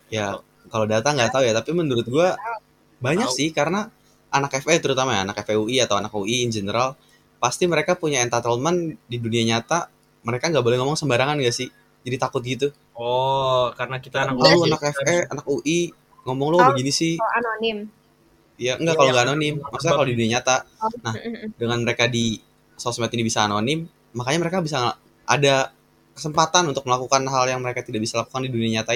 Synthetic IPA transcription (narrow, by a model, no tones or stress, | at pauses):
ja | kalodat̪aŋɡat̪aujat̪apimənuɾʊt̪̚ɡua | baɲaksɪhkaɾəna | ʔanakɛfɛt̪əɾut̪amajaːnakɛfɛuiat̪awanakuʔiːnd͡ʒenəɾal | past̪iməɾekapuɲaɛnt̪at̪əlmandiduniaɲat̪a | məɾekaŋɡaboleŋɔmɔŋsəmbaɾaŋanŋɡasɪh | d͡ʒadit̪akʊt̪̚ɡit̪u | ɔkaɾənakit̪analaluanakɛfɛa̰nakuʔi | ŋɔmɔŋlobəɡinisɪhanonɪm | jaəŋɡaʔkaloŋɡaːnonɪmːaksuɲakalodiduniaɲat̪anadəŋanməɾekadi | sosmat̪inibisaːnonɪmː | akaɲaməɾekabis̬a | ʔa̰da | kə̥səmpat̪anunt̪ʊk̚məlakukanɦaljaŋməɾekat̪idaʔbisalakukandiduniaɲat̪a